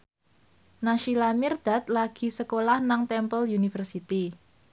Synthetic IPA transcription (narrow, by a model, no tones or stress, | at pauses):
naʃilamɪrd̪̥a̤t̪̚laɡ̥i̤səkolahnaŋt̪ɛmpəljunifərsit̪i